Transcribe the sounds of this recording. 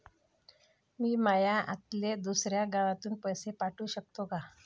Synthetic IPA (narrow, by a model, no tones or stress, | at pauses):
miːmajaʔa̰t̪led̪usɾjaɡaʋat̪uːnpəjsepaʈuːɕək̚t̪oka